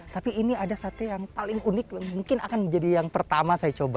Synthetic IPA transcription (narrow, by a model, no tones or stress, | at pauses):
t̪apiːniadasat̪ujaŋpalɪŋunɪkaŋmuŋkɪnakand͡ʒadijaŋpərt̪amasajat͡ʃoba